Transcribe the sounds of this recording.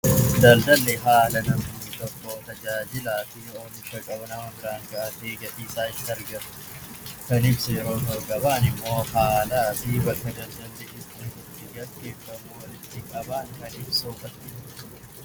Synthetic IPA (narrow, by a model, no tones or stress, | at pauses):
d̪ɐld̪ɐlːɛɦaːlɐnɐmut̪ɔkːot̪ɐd͡ʒaːd͡ʒɪlaːfɪoːnɪʃɐkʼɐbɐnɐmɐŋkaŋɡɐʔɐt̪eːɡɐʔiːsaːɪt̪ːɐɾɡɐmʊ̥ | kɐnɪbsɛjɛɾo̞ːt̪ɔɾɡɐbaːnɪmːo̞ːhaːlaːfɪbɐkːɐd̪ɐld̪ɐlːɛʔɪsɪhɪt̪ːɪɡɐɡːe̞ːfːɐmuwɐlɪt̪ːɪkʼɐbaːŋkɐnɪbsoːfɐt̪ːɪ